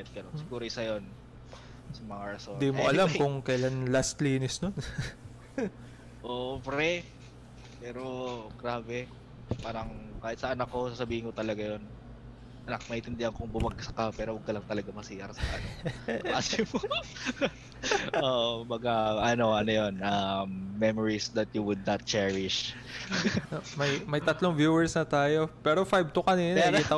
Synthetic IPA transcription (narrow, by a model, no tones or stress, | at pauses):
ɛt̪̚ɡɐnonsɪkuːɾoɪsɐjon | sɐmɐŋaɹɐsond̪imoʔɐlamkʊŋkɐjlanlast̪liːnɪsnon | ʔoʔobɾɛ | pɛːɾoɡ̥ɾaːbɛ | paːɾɐŋkaːhɪt̪sɐʔɐnakːo̞sasɐbiːhɪnkot̪ɐlɐɡajon | ʔɐnak̚mɐhɪ̃nt̪ɪnd̪ɪhɐŋkʊŋbʊmɐɡ̚sɐ̥kapɛːɾowɐɡ̚kɐlɐŋt̪ɐlɐɡamɐsiːʔɐɾsɐkɐ | aːsɪmo | oːʔombɐɡaʔɐno̞ʔɐnojonʔɐmːɛmoɹisd̪ɐt̪̚juwʊd̪̚nɐt̪̚t͡ʃɛɹɪʃ | omɐjmɐjt̪ɐt̪loŋvjuːwɛɹsnɐt̪aːjo̞pɛːɾofajb̚t̪okɐniːnɾt̪